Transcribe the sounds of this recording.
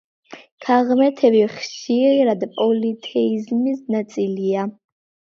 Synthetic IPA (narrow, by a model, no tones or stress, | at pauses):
kʰaʁmɛt̪ʰɛbiχʃiɾɾad̪pʼɔlit̪ʰɛizmisnat̪sʼilia